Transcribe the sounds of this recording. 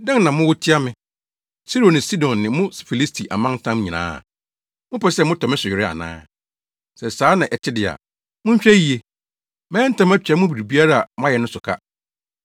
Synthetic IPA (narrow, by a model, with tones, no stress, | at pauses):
dã˦nnã˨mʊ̃˦wʊ˦tʰɪ˦a˦mɪ̃˨ | si˦ɾo˨nɪ̃˨si˦dɔ̃˨nːɪ̃˨mʊ̃˦sfi˨li˦stʰi˨ʔa̰˨mã˦ntʰã˦m˦ɲĩ˨nã̰ː˦a̰˨ | mʊ̃˦pʰɛ˦sɛ˦mʊ̃˦tʰɔ˨mɪ̃˦sʊ˨ɥɪ˨ɾɪ˦a̰˨nã̰ː˦ | sɛ˨saː˨˦nã˨ʔɛ˨t͡ɕʰɪ˦dɪ˨a̰˨ | mʊ̃˦ɲ̩˦ɕᶣɛ˦ji˨e˨ | mɛ̃ː˦n̩˦tʰã˦mæ˦t͡ɕᶣa˦mʊ̃˦bi˨ɾi˨bi˦a˦ɾa˦a˨mʊ̃˦a˦jɛ˨nʊ̃˦sʊ˨kʰa̰˦